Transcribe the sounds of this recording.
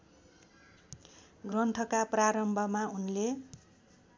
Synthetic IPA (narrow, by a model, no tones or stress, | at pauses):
ɡrʌnt̪ʰʌkapraɾʌmbʱʌmaunle